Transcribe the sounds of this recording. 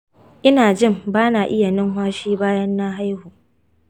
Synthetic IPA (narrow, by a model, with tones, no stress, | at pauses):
ʔɪ˦naː˨d͡ʒɪ˦˨mbaː˦naː˨ʔɪ˦ja˨nɪ˦ŋɦwaː˦ʃiː˦baː˦jɐ˦nːa˦ɦa˦jhuː˨